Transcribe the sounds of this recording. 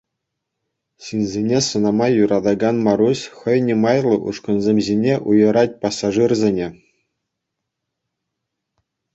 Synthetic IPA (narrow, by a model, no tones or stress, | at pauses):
ɕinʲzʲenʲesɤ̆nɑmɑjuɾɑd̪ɑɡɑnmɑɾusʲχʲɤ̆jnʲemɑjlˠɤ̆ʔṵʂkɤ̆nzʲemʲʑʲinʲeʔujɤ̆ɾɑt̚ʲpɑsːɑʐɨrzʲenʲe